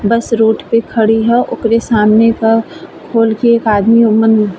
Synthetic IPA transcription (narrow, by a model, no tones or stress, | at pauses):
bɐsɾoːʈpekʰɐɽiɦɛʔʊkɾesaːmnekakʰoːlkeeːkaːd̪miomən